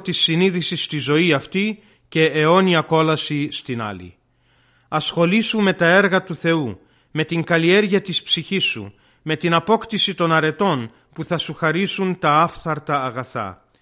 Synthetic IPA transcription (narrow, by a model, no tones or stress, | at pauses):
t̪isːiniðisist̪izo̞iɐft̪i | ce̞ːo̞niɐko̞lɐsist̪inɐ̰lḭ | ɐsxo̞lisume̞t̪ɐe̞ɾɣɐt̪uθe̞u | me̞t̪iŋɡɐlie̞ɾʝiɐt̪ispsiçisːṵ | me̞t̪inɐpo̞kt̪isit̪o̞nɐɾe̞t̪o̞n | puθɐsuxɐɾisunt̪ɐɐfθɐɾt̪ɐːɣɐθɐ̰